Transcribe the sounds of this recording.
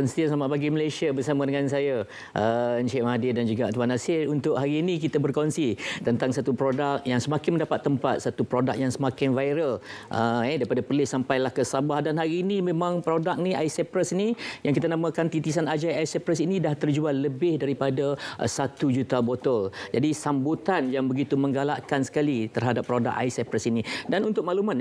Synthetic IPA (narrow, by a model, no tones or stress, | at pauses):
kənst̪iasamaʔ̪̚baɡiməlesiabərsamadəŋansaja | ʔənt͡ʃɛʔmadɪdand͡ʒuɡat̪uanasɪrunt̪ʊʔhaɾiːnikit̪əbərkonsit̪ənt̪aŋsat̪upɾodak̚jaŋsəmakɪnmə̃ndapat̪ːəmpat̪̚sat̪upɾodak̚jaŋsəmakɪnvajɾəlʔəɛdaɾipadapərlɪhsampajlahkəsabahdanɦaɾiːnimẽmãŋpɾodak̚niʔaisɛpɾəsnijãŋkit̪̬anamakant̪it̪is̬anad͡ʒajajsɛpɾəsinidaht̪ərd͡ʒualːəbɪhdaɾipadaʔsat̪ud͡ʒut̪abot̪ɔld͡ʒadisambut̪anjaŋbəɡit̪umə̃ŋɡalaʔkansə̥kalit̪ərɦadapːɾoda̰ka̰jsɛpɾəsinidanunt̪ʊk̚maluman